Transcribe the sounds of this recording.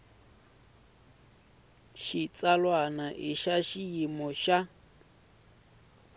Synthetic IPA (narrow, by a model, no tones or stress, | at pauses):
ʃit͡sʼalwanaʔiʃaʃiimɔʃa